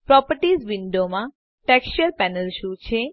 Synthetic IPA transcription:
pɾɔpəɾʈizʋiɳɖomã | ʈɛkst͡ʃəɾpɛnəlʃut͡ʃʰe

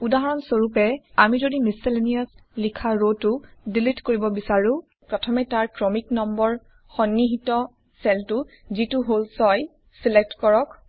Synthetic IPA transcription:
udaɦɔɹɔnsoɹupɛamizodimisileniaslikʰaɹotʊdilitkoɹibɔbisaɹũ | pɹɔtʰɔmɛtaɹkɹɔmiknɔmbɔɹ | xɔnːiɦitɔ | sɛltʊzituɦolsɔj | silek̚tkɔɹɔk

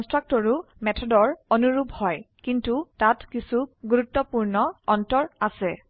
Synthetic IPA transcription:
kɔnstɹak̚tɔɹumɛtʰɔdɔɹɔnuɹubʱhɔjkintutatkisuɡuɹutːɔpuɹnɔɔntɔɹasɛ

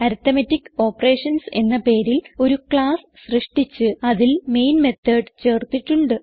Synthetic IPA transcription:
ɐɾt̪ɐmɐtːikːo̞ːpːɐre̞ːʂɐnse̞nːɐpe̞ːɾilo̞ɾukɭaːs | ɕrɨʂʈit͡ɕːɨɐðilme̞jnme̞t̪ːɐɖt͡ɕe̞ːrt̪ːiʈːuɳɖɨ

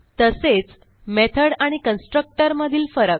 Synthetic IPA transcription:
t̪əset͡s | met̪ʰəɽaɽ̃ikənsʈɾək̚ʈəɾməd̪ʱiːlfəɾək̚

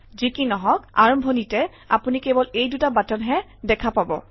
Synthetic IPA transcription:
zikinɔɦɔk̚a̰ɹɔmbʱɔnitɛ | a̰punikɛbɔlejdutabatɔnɦɛ | dɛkʰapabɔ̰

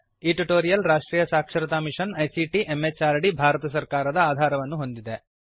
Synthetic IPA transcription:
iʈiʈoːɾijɐlɾaːʂʈɾiːjɐsaːkʂɐɾɐt̪aːmiʂɐnɐjsiʈiʔemːet͡ʃaːɾɐɽibʱaːɾɐt̪ɐsɐɾkaːɾɐd̪ɐaːd̪ʱaːɾɐʋɐnːuɦo̞nd̪id̪e̞

